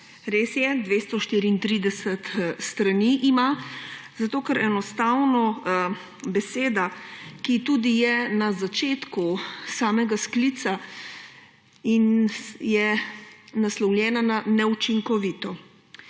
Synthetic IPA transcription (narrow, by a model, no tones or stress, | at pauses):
ɾeːsjɛd̪ʋeːst̪ɔʃt̪iːɾiːnt̪ɾiːd̪ɛsɛt̪st̪ɾaniʔimazat̪oːkɛɾʔɛnɔst̪awnɔ | bɛseːd̪akit̪uːd̪ijɛnazat͡ʃeːt̪kusaːmɛɡasklit̪sa | injɛ | naslɔwljɛːnananɛut͡ʃiŋkɔʋit̪ɔ